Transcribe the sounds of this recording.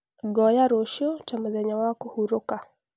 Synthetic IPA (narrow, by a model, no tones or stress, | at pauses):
ɡɔjaɾoʃotamuzɛɲawakuhuɾʊka